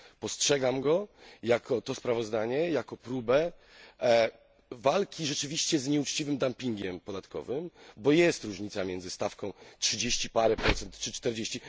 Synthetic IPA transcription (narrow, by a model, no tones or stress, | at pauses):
pɔstʂɛɡamɡɔjakʰɔt̪ɔspɾavɔzd̪aɲɛjakɔpɾubɛ | valkʲiʐɛt͡ʂɘvʲiɕt͡ɕɛzɲɛut͡ʂt͡ɕivɘmd̪ampʲiŋɡʲɛmpɔd̪at̪kɔ̰vɘmbɔjɛst̪ɾuʐɲit̪samʲjɛnd̪zɘst̪afkɔ̃w̃tʂɘd͡ʑeɕt͡ɕipaɾɛpɾɔt̪sɛnt̪t͡ʂɘt͡ʂt̪ɛɾd͡ʑeɕt͡ɕi